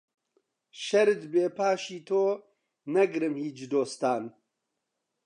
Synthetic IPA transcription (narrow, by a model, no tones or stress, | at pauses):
ʃɛɾɨt̪beːpʰaːʃiːt̪ʰoː | nɛɡɨɾɨmhiːt͡ʃd̪oːst̪aːn